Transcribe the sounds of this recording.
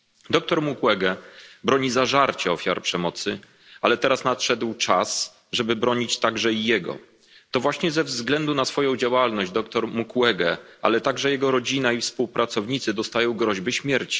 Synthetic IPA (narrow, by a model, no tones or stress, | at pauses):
d̪ɔk̚t̪ɔɾmukwɛɡɛbɾɔɲizaʐaɾt͡ɕɛɔfʲja̰ɾpʂɛmɔt̪sɘ | alɛt̪ɛɾasnat̪ʂɛd̪wt͡ʂas | ʐɛbɘbɾɔɲit͡ɕt̪aɡʐɛijɛɡɔ̰ | t̪ɔvwaɕɲɛzɛvzɡlɛnd̪unasfɔjɔ̃w̃d͡ʑawalnɔʑd͡ʑd̪ɔk̚t̪ɔɾmukwɛɡɛa̰lɛt̪aɡʐɛjɛɡɔɾɔd͡ʑinaifspuwpɾʔat̪sɔvɲit̪sɘd̪ɔst̪ajɔ̃w̃ɡɾɔʑbɘɕmʲjɛɾt͡ɕi̥